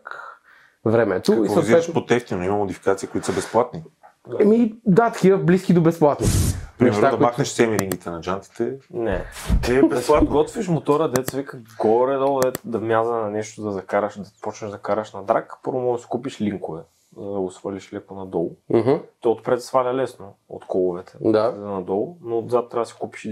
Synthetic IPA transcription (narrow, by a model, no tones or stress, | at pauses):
k | vɾɛmɛt̪oiziɛʃpot̪ɛft̪inoimɐmod̪ifi̥kat̪sikoʊit̪o̥səbɛsplˠat̪ni | mid̪at̪kʲiəblisk̟id̪obɛsplˠat̪nipɾimɛɾad̪ɐbakxnɛʃsɛmiɾiŋɡit̪ɛnɐd͡ʒant̪i̥t̪ɛnɛt̪ibɛsplˠat̪ɡɔt̪viʃmot̪ɔɾəd̪ɛt̪səvikəɡɔɾɛd̪ɔlˠɛd̪ɐmʲjazənɐnɛʃt̪od̪ɐzɐkaɾɐʃd̪ɐpɔt͡ʃnɐʒd̪ɐkaɾɐʃnɐd̪ɾakpɤɾvɐmɔd̪ɐsi̥kupiʃliŋkovɛ | zɐd̪ɐʊsfəlʲiʃlɛkonɐd̪ɔl̩ˠɦt̪ɔot̪pɾɛt̪svalʲɐlɛsnoo̰t̪kʰɔlˠovɛt̪ʰɛd̪anɐd̪ɔlˠnot̪zat̪ɾasi̥kupi̥ʃi